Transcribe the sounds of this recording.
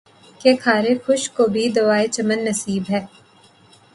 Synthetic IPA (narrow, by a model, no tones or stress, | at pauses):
kekʰaːɾexʊʃkobʱid̪ɐʋaːet͡ʃɐmənːɐsiːbɦɛː